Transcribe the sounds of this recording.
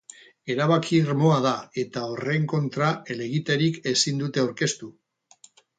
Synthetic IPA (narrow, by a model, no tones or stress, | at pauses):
e̞ɾaβakʰiɾmo̞aðae̞t̪ao̞re̞ŋko̞nt̪ɾaele̞ɣit̪eɾike̞sind̪ut̪e̞awɾke̞st̪u